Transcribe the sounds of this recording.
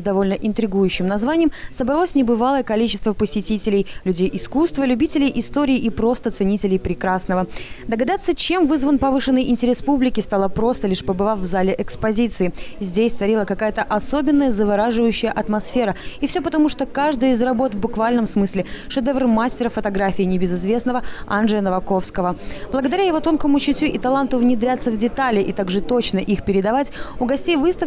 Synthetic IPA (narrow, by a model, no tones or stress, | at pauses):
zd̪ɐvo̞lʲnəʔɪnt̪ɾʲɪɡujʉɕːɪmnɐzvanʲɪjəmsəbɾɐlˠosʲnʲɪbɨvalˠəjəkɐlʲit͡ɕɪst̪vəpəsʲɪtʲitʲɪlʲɪjlʲʉdʲejʔɪskust̪vəlʲʉbʲitʲɪlʲɪjʔɪst̪o̞ɾʲɪːʔipɾo̞st̪ət̪sɨnʲitʲɪlʲɪjpɾʲɪkɾasnəvəd̪əɡɐd̪at̪sːət͡ɕe̞mvɨzvənpɐvɨʂɨnːəjʔɪnʲtʲɪɾʲespublʲɪkʲɪst̪alˠəpɾo̞st̪əlʲiʂpəbɨvafvzalʲɪʔɛkspɐzʲit̪sɨɪzʲdʲesʲt̪sɐɾʲilˠəkɐkajət̪əʔɐso̞bʲɪnːəjəzəvɐɾaʐɨvəjʉɕːɪjəʔɐt̪mɐsfʲe̞ɾəɪfsʲɵpət̪ɐmuʂt̪o̞kaʐd̪əjəɪzrɐbo̞t̪vbʊkvalʲnəmsmɨsʲlʲɪʂɨd̪ɛvrmasʲtʲɪɾəfət̪ɐɡɾafʲɪːnʲɪbʲɪzɨzvʲe̞snəvəa̰nʐɨjənəvɐko̞fskəvəblˠəɡəd̪ɐɾʲajɪvo̞t̪o̞nkəmʊt͡ɕɪtʲuʔɪt̪ɐlˠant̪ʊvnʲɪd̪ɾʲat̪sːəvdʲɪt̪alʲɪʔɪt̪aɡʐɨt̪o̞t͡ɕnəʔixpʲɪɾʲɪd̪ɐvatʲʊɡɐsʲtʲejvɨst̪əf